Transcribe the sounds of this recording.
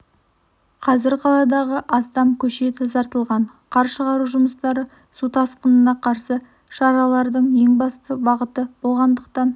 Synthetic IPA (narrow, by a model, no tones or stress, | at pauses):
qʰɑzɪɾqʰɑlˠɑd̪ɑʁəʔɑst̪ɑmkʲʰɵʃet̪ʰɪzɑɾt̪əlˠʁɑɴ | qʰɑɾʃəʁɑɾuʒʊməst̪ɑɾə | sut̪ʰɑsqənənɑqʰɑɾsə | ʃɑɾɑlˠɑɾd̪əɴje̞ŋbɑst̪əbɑʁət̪əb̥o̞lˠʁɑnd̪əqt̪ɑn